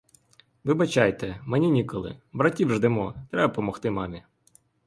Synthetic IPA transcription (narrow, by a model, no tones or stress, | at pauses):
ʋɪbɐt͡ʃɑjt̪ɛmenʲinʲikɔlˠɪ̰bɾɐtʲiwʒd̪ɪmɔt̪ɾɛbɐpɔmɔxt̪ɪmɑmʲi